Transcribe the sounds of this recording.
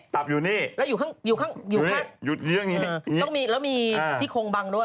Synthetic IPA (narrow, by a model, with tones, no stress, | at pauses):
t̪a˨˩p̚juː˨˩niː˥˩lɛː˦˥wjuː˨˩kʰaː˥˩ŋjuː˨˩kʰaː˥˩ŋjuː˨˩kaː˥˩ju˨˩˨ɯ˥˩əŋniː˦˧˨ɔ˥˩miː˧lɛː˦˥wmiː˧t̪ʰiː˥˩kʰoː˧ŋba˧ŋdu˥˩